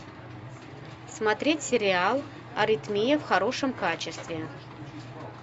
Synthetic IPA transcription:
smat̪ɾʲetʲsʲɪɾʲɪalˠ | ɐɾʲit̪mʲijɐfxɐɾo̞ʂəmkat͡ɕɪst̪vʲe

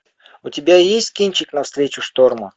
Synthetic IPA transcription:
ʊtʲɪbʲajesʲtʲkʲinʲt͡ɕɪknɐfst̪ɾʲet͡ɕʊʂt̪ormə

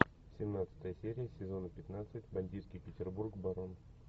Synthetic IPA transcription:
sʲɪmnat̪sɨ̥t̪əjəsʲeɾʲɪjəsʲɪzo̞nəpʲɪt̪nat̪sɨtʲbɐnʲdʲit̪skʲɪjpʲɪtʲɪrburkbɐɾon

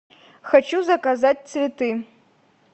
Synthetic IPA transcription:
xat͡ʃʰuzɐkazat̚ʲt͡s̪ʰvʲetʰɨ

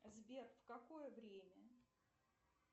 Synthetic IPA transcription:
zbʲerfkɐkojəvɾʲemʲə

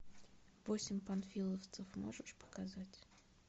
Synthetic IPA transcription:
vosʲɪmʲpɐnfʲilˠəft̪səfmo̰ʐɨʂpə̥kazatʲ

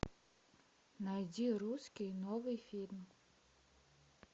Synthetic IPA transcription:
najdʲiɾuskʲijnɔvɨjfʲilʲm

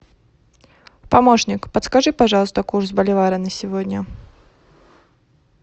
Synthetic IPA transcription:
pamɔʂnʲɪkpət̪skaʐɨpaʐalˠst̪ɐkursbɐlʲɪvaɾɨnɐsʲɪvɔd̪ʲnʲɐ

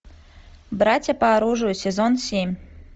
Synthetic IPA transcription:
bɾat͡sʲɐpɐːɾuʐujsʲɛzonsʲemʲ

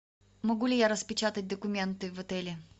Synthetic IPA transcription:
mɐɡulʲɪjaɾəspʲɪt͡ɕat̪ət̚ʲd̪əkʊmʲent̪ɨvɐt̪ɛlʲɪ

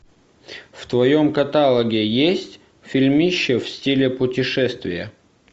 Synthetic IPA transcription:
ft̪vɐjomkɐt̪alˠəɡʲɪjesʲtʲ | fʲilʲmʲiɕːɪfsʲtʲilʲɪpʊtʲɪʂɛst̪vʲɪjə

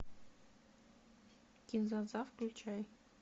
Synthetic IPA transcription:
kʲinzɑzɑfklʲut͡ɕʰæj

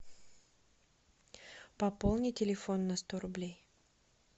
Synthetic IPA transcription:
pɐpolˠnʲɪtʲɪlʲɪfo̞nːɐst̪oɾʊblʲej

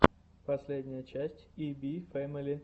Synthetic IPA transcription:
pɐsʲlʲedʲnʲɪjət͡ɕæsʲtʲibʲifɛməlʲɪ

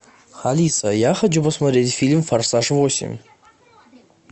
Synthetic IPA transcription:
χalisajaχad͡ʒabasmaɾedʲfilʲmfarsaʂvosḭm

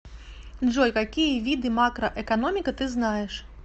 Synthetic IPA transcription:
ʐɔjkakʲijɐvʲid̪ɨmakɾɐʔɛkanɔmʲikɐt̪ɨznajɛʂ

